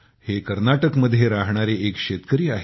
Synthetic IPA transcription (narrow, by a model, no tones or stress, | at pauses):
hekəɾnaʈəkməd̪ʱːjeɾaɦɳaɾeekɕet̪kəɾiːaɦe